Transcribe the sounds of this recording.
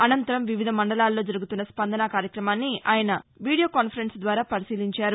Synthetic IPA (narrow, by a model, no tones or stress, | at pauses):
ɐnɐnt̪ɐɾɐmʋiʋid̪ʱɐmɐɳɖɐlaːlːo̞ːd͡ʒɐɾuɡut̪unːɐspɐnd̪ɐnakaːɾjɐkɾɐmaːnːiaːjɐnɐʋiːɽijokaːnpʰɐɾensd̪ʋaːɾaːpɐɾisiːliɲt͡ʃaːɾu